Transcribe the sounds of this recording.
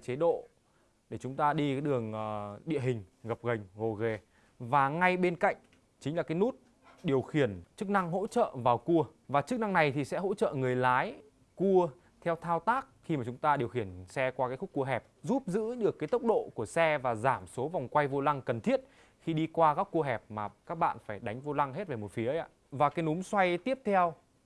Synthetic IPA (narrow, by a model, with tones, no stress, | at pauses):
t͡ɕe˨˦ɗo̰˧˨ | ɗe˧˩t͡ɕʊ˨˦ŋ͡mt̪aː˧ɗi˧a˨˦jɗɨ˨˩əŋː˨˩ɗḭ˧˨ɦï˨˩ŋ̟ɣə˨˩p̚ɣə˨˩jŋ̟ɣo˨˩ɣe˧˩ | vaː˨˩ŋa˧jɓe˧nka̰˧˨jŋ̟ | t͡ɕï˨˦ŋ̟laː˨˩kːjnu˦˥t̚ | ɗi˨˩əwxi˧˩ənt͡ɕɨ˦˥k̚na˧ŋɦo̰˧˥t͡ɕə̰ː˧˨vaː˨˩wku˧ə | vaː˨˩t͡ɕɨ˦˥k̚na˧ŋna˨˩jt̪ʰi˨˩sɛ̰˧˥ɦo̰˧˥t͡ɕə̰ː˧˨ŋɨ˨˩əjlaː˨˦j | ku˧ə | t̪ʰɛ˧wt̪ʰaː˧wt̪aː˦˥k̚xi˧maː˨˩t͡ɕʊ˨˦ŋ͡mt̪aː˧ɗi˨˩əwxi˧˩ənsɛ˧kwaː˧kaː˨˦jxʊ˦˥k͡p̚kːu˧əɦɛ˨˩p̚zu˦˥p̚zɨ̰˧˥ɗɨ˨˩əkːaː˨˦jt̪ə˦˥wk͡p̚ɗo̰˧˨ku˧˩əsɛ˧vaː˨˩zaː˧˩mso˨˦va˨˩wŋ͡mkwa˧jvo˧la˧ŋkə˨˩nt̪ʰi˦˥ət̚ | xi˧ɗi˧kwaː˧kaː˦˥kːu˧əɦɛ˨˩p̚maː˨˩kaː˦˥k̚ɓa̰ː˧˨nfaː˧˩jɗa˨˦jŋ̟vo˧la˧ŋɦe˦˥t̚ve˨˩mo˨˩t̚fi˨˦əʔa̰ː˧˥ | vaː˨˩kaː˨˦jnu˨˦mswa˧jt̪i˦˥əp̚t̪ʰɛ˧w